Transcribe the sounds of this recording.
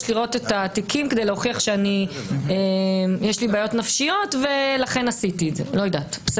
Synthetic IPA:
liʁo̞t̪et̪aːtikʰimkd̪ejleoχiaχʃeani | emjeʃlibaːjo̞t̪nafʃijo̞tve̞laχe̞nasitiːzḛlojid̪at̪ps

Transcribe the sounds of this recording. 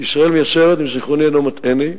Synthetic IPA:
iʃʁaelmejasevet̪mis̬iχonielomat̪eni

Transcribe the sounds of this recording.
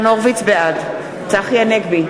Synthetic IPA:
noʁvit͡sbead̪ | t͡saχjanekbi

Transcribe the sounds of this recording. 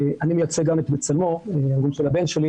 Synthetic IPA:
animejat͡seɡamet̪bet͡salmoeaɡumʃelabenʃeli

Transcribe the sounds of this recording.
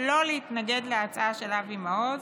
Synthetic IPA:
lo̞leitnaɡe̞d̪leat͡saaʃelavimaoz

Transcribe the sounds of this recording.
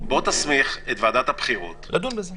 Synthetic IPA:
bo̞t̪asmiχet̪vaːd̪at̪habχiʁot̪lad̪unbeze

